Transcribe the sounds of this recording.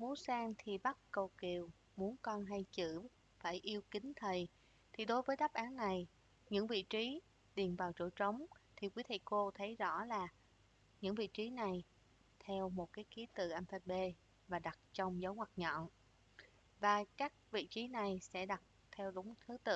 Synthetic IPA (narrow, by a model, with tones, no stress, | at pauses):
mu˨˦saː˧ŋt̪ʰi˨˩ɓa˦˥t̚kə˨˩wki˨˩əw | mu˨˦ənkɔ˧nɦa˧jt͡ɕɨ̰˧˥ | faː˧˩jʔi˧əwkï˨˦ŋ̟t̪ʰə˨˩j | t̪ʰi˨˩ɗo˨˦jvəː˨˦jɗa˦˥p̚ʔaː˨˦nːa˨˩j | ɲɨ̰˧˥ŋvḭ˧˨t͡ɕi˨˦ | ɗi˨˩ənvaː˨˩wt͡ɕo̰˧˩t͡ɕə˨˦wŋ͡mt̪ʰi˨˩kwi˨˦t̪ʰḭ˧˩˨ko˧t̪ʰə˨˦jzɔ̰˧˥laː˨˩ | ɲɨ̰˧˥ŋvḭ˧˨t͡ɕi˨˦na˨˩j | t̪ʰɛ˧wmo˨˩t̚kaː˨˦jki˨˦t̪ɨ̰˧˨ʔɛ˧nfɛ˧ɓe˧ | vaː˨˩ɗa˨˩t̚t͡ɕɔ˧wŋ͡mzə˨˦wŋwa˨˩k̚ɲɔ̰˧˨n | vaː˨˩kaː˦˥k̚vḭ˧˨t͡ɕi˨˦na˨˩jsɛ̰˧˥ɗa˨˩t̚ | t̪ʰɛ˧wɗʊ˨˦ŋ͡mt̪ʰɨ˨˦t̪ɨ̰˧˨